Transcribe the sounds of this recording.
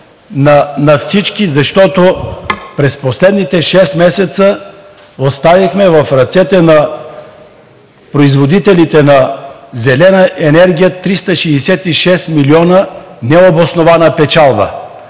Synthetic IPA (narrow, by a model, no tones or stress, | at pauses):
nɐnɐfsit͡ʃkizɐʃt̪ɔt̪opɾɛsposlɛd̪nit̪ɛʃɛst̪mɛsɛt̪sə | ost̪avixmɛvɐfɾɐt̪sɛt̪ɛnɐ | pɾoizvod̪it̪ɛlit̪ɛnɐzɛlɛnəʔɛnɛɾɡʲijət̪ɾist̪əʃɛːsɛt̪iʃɛst̪miliɔnənɛobosnovanəpɛt͡ʃalˠbə̰